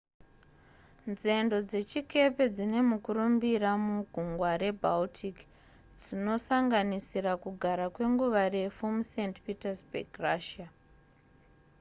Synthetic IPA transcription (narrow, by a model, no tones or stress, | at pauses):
nze̞ndo̞d͡ze̞t͡ʃike̞pe̞d͡zine̞mukurumbiramuɡʱuŋɡwaɾe̞bʱaltʰik | d͡zino̞saŋɡanisiɾakuɡʱaɾakwe̞ŋɡuʋare̞fumuse̞ntpitasbʱḛɡraʃia